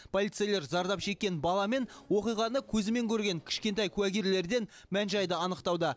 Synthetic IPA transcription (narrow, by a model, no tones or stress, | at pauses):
pʰo̞lʲˠijt̪sejle̞ɾzɑɾd̪ɑpʃe̞kʲːe̞nbɑlˠɑme̞nwo̞qijʁɑnəkʲʰɵzɪme̞ŋkʲʰɵɾɡʲe̞ŋkʲʰɪ̥ʃkʲe̞nt̪ɑjkʲʰʉwæɡʲiɾle̞ɾd̪e̞n | mænʒɑjd̪əɑnəqt̪ɑwd̪ə